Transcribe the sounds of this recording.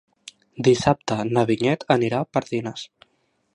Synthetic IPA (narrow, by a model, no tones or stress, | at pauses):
d̪isap̚t̪ənəβiɲɛt̪ʰəniɾapəɾðinəs